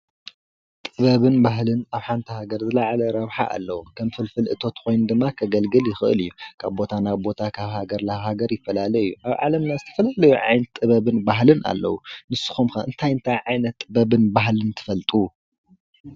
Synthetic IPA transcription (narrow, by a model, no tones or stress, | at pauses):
t̪ʼɨβɐβɨnbaɦlɨnaβħant̪ʰɐhaɡɐɾzɨlaʕalɐɾɐβħa̰ʔa̰lːɐwukʰɐmfɨlfɨlʔɨt̪ʰo̞t̪kʰo̞jnd̪ɨmːakʰɐɡɐlɡɨljɪxɨʔɨ̰lɨjːukʰaβbo̞t̪ʰanaβbo̞t̪ʰakʰaβhaɡɐɾlaɦaɡɐɾjɪfːɐlalɐjjːuʔaβʕa̰lɐmnazɨt̪ʰɐ̥fɐlalɐjuʕa̰jnɐt̪ʼːɨβɐβɨnbaɦlɨna̰lːɐ̰wunɨsːɨ̥xumxɐɨ̰nt̪ʰajɨnt̪ʰajʕajnɐt̪ʼːɨbɐβɨnbaɦlɨnt̪ʰɨ̥fɐlt̪ʼu